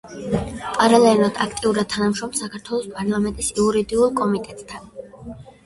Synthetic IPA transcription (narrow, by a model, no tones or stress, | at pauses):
pʼaɾalˠɛlad̪̥akʰt̪ʼiuɾad̪̥̚t̪ʰanamʃɔmsakʰaɾt̪ʰwɛlˠɔspʼaɾlˠamɛnt̪ʼisiuɾid̪iulˠkʼɔmit̪ʼɛt̪ʼt̪ʰan